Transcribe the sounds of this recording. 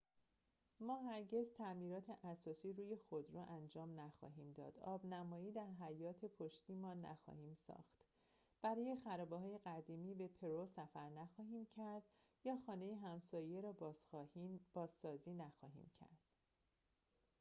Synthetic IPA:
mɒːɦæɾɟe̞zt̪ʰæmiːɾɒːt̪ʰe̞ʔæsɒːsiːɾuːje̞xod̪ɾɔʔænd͡ʒɒːmnæxɒ̰ːɦiːmd̪ɒ̰ːd̪̥ɒːbnæmɒːiːd̪æɾɦæjɒːt̪ʰe̞pʰoʃt̪iːmɒːnæ̰xɒ̰ːhiːmsɒ̰ːxt̪ | b̥æɾɒːje̞xæɾɒːbeɦɒːje̞ɣæd̪iːmiːbe̞pʰe̞ɾosæfæɾnæxɒːɦiːmcʰæɾd̪̥ | jɒːxɒːne̞jeɦæmsɒːje̞ɾɒːb | b̥ɒːzːɒːziːnæxɒːɦḭːmcʰæ̰ɾd̪̥

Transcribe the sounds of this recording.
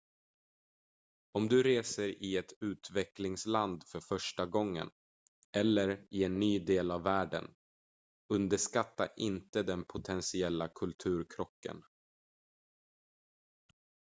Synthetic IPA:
ɔmd̪ɵɾeːsəɾɪɛt̪ʉ̟ːt̪vɛklɪŋsland̪fœɾfœʂʈaɡɔŋːə̰n | ʔɛlːəɾɪɛnːyːd̪eːlavːæːɖə̰n | ɵnd̪əʂkat̪ːa̰ʔɪnt̪əd̪ɛnpʰʊt̪ʰɛnsɪɛlːakʰɵlt̪ʰʉ̟ːɾkʰɾɔkːə̰n

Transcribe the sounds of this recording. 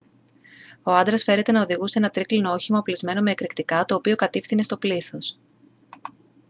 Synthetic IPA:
o̞ɐnd̪ɾɐsfe̞ɾe̞t̪e̞nɐo̞ðiɣusee̞nɐt̪ɾiklinoo̞çimɐoplizme̞no̞me̞ːkɾikt̪ikɐt̪o̞ːpio̞kɐt̪ifθine̞st̪o̞pliθo̞s

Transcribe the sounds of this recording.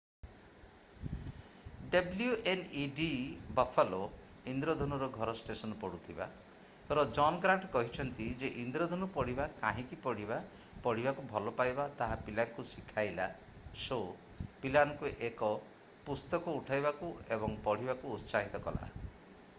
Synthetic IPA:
ɖɔbljuʔeniɖibafʰalo | ind̪ɾɔd̪ʱɔnuɾɔɡʱɔɾɔsʈesɔnɔpɔɽut̪ʰiba̰ | p̪ɔɾɔd͡ʒɔnɡɾaɳʈkɔɦit͡ʃʰɔnt̪id͡ʒeʔind̪ɾɔd̪ʱɔnupɔɽ̤ibakaɦĩkipɔɽ̤iba | pɔɽ̤ibakubʱɔlɔpajbat̪aɦapilankusikʰajla̰ | so | pilankuʔekɔ | pust̪ɔkɔːʈʰajbakuebɔŋpɔɽ̤ibakuːt̪saɦit̪ɔkɔla̰

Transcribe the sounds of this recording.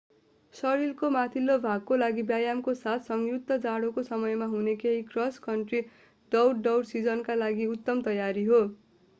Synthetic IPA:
sʌɽilkomat̪ʰilːobʱaɡ̚kolaɡibjajamkosat̪ʰsʌŋjut̪ːʌd͡zaɽokosʌmʌjmaɦunekeɦikrʌskʌɳʈri | ɖʌwɽɖʌwɽsid͡zʌnkalaɡiut̪ːʌmt̪ʌjaɾiɦo

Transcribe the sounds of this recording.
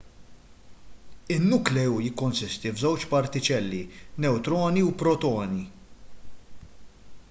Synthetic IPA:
ɪnːʊklɛujɪkːɔnsɪst̪ivzɛwt͡ʃpɐɾt̪ɪt͡ʃɛlːinɛwt̪ɾɔːniupɾɔt̪ɔːni

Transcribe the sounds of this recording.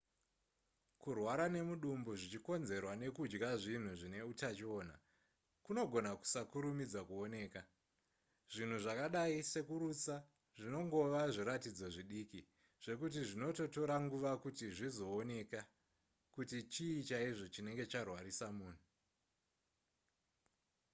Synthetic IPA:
kurwaɾane̞muɗumboʐit͡ʃiko̞nze̞rwane̞kud͡ʒɡaʐin̤uʐine̞utat͡ʃio̞ːna̰ | kuno̞ɡʱo̞naku̥sakuɾumid͡zwakuo̞ne̞ːka | ʐ̥in̤uʐakaɗaise̞kuɾut͡sa | ʐino̞ŋɡo̞ʋaʐiɾatid͡zo̞ʐiɗiki | ʐ̥e̞kut̬iʐino̞to̞to̞ɾaŋɡuʋakutiʐizo̞ːne̞ka | kutit͡ʃiːt͡ʃaiʐo̞t͡ʃine̞ŋɡe̞t͡ʃarwaɾisamuːn̤u

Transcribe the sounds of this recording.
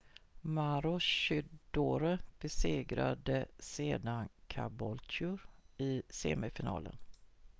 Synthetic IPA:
maɾɔʃʏd̪oːɾəb̥ɛseːɡɾa̰d̪əseːd̪ankʰabɔltʊɾɪsḛːmɛfɪnɑ̰ːlə̰n

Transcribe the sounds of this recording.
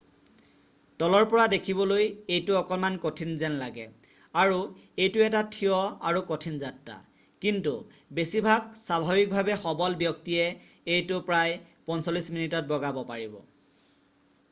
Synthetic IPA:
tɔlɔɹpɔɹadekʰibɔlojejtʊɔkɔnmankotʰinzɛnlaɡɛ̰ | aɹuejtʊɛtatʰiɔaɹukotʰinzatːa̰ | kintu | besibʱaɡsabʱabik̚bʱabɛxɔbɔlbjɔktiɛejtʊpɹaj | pɔnsolisminitɔt̚bɔɡabɔpaɹibɔ̰

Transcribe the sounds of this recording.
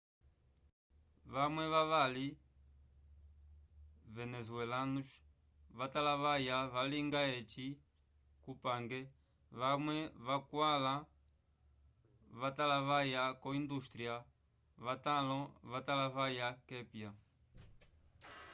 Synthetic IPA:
βamwɛβaβali | vɛnɛzuɛlanuʃ | βatalaβajavaliŋɡaɛt͡ʃi | kupaŋɡɛ | βamwɛβakwala | βatalaβajakɔindust̪ɾia | βatalɔβatalaβajakɛpja

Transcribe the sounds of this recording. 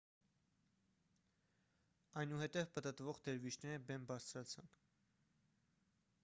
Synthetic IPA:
ɑjnuhɛt̪ɛvpət̪ət̪vɔʁd̪ɛɾvit͡ʃnɛɾəbɛmbɑɾt͡sʰɾɑt͡sʰɑmb

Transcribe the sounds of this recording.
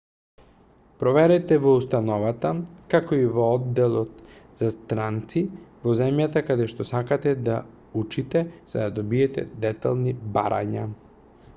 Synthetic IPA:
pɾɔvɛɾɛt̪ɛvɔust̪anɔvat̪akakoivɔɔd̪ːɛlˠɔt̪z̥ast̪ɾant̪sivɔzɛmjat̪akad̪ɛʃt̪ɔsakat̪ɛd̪a | ut͡ʃit̪ɛz̥a̰d̪ad̪ɔbiɛt̪ɛ̰d̪ɛt̪a̰lˠniba̰ɾa̰ɲa̰

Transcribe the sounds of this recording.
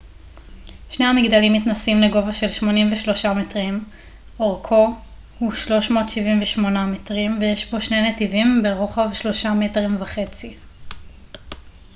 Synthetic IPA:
ʃne̞jhamiɡd̪alimːitnasimleɡo̞vaʃe̞lʃmo̞nimveʃlo̞ʃametʁim | ʔoʁkʰo | huʃlo̞ʃmo̞ːt̪ʃivimveʃmo̞nametʁimvejeʃbo̞ʃnenetivimbeʁoχavʃlo̞ʃametʁimvaχe̞t͡si

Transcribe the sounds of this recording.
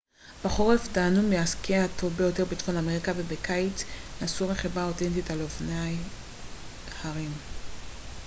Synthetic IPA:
b̥aχoʁefdanumeaskeaatʰovbejo̞te̞bit̪χonameʁikavebekajt͡snasuʁeχibʁaotentitalofnaj | haʁim

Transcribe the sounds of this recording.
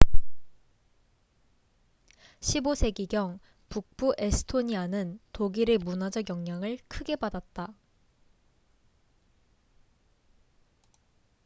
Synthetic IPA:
ɕʰibosʰe̞ɡiɡjʌŋ | puk̚p͈uʔe̞sʰɯ̥tʰoɲianɯntoɡiɾe̞munad͡ʑʌɡjʌŋɲaŋɯɭkʰɯɡe̞badat̚t͈a

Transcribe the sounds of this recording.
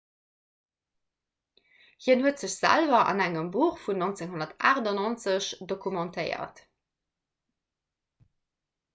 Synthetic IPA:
hiənhuətz̥əɕz̥æ̰lvɐʔɑ̰næŋəmbuːχfunont͡seŋɦonɐtaːʁdɑnont͡səɕdokʰumɑ̃ntʰɜɪɐ̰t

